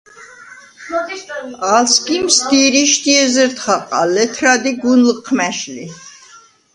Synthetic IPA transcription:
alskimsd̪iɾiʃt̪iɛzəɾt̪χaqʼa̰lɛt̪ʰɾad̪iɡunlqʰmɛʃli

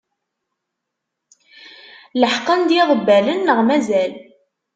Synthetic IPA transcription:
ləħqənd̪iʁˤəbːælənːəʁmæzæl

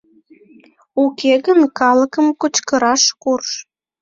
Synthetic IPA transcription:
ukeɣənkɑləkəmkot͡ɕkəɾɑʃkurʃ

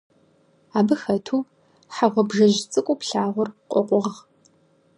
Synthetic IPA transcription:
aːbɨxɐtʰuː | ħaʁʷɔbʒɐʑt͡sʼɨkʷʼʊpɬaːʁʷʊrqʷʼɔ̰qʷʼɔʁ

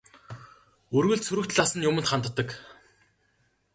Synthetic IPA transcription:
ɵrɣɵ̆ɮsɵɾɵ̆kt̪ɮasə̆njʊmə̆nt̪χant̪ə̆t̪ːə̆k

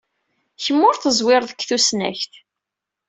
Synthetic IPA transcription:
çəmːʊɾθəzˤwɪɾˤðəkːθusnæ̰çt̪

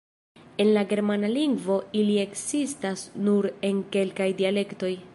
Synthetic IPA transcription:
e̞nlaɡe̞ɾmanaliŋɡvo̞ilie̞ksistasnuɾe̞ŋke̞lkajdiale̞kto̞j

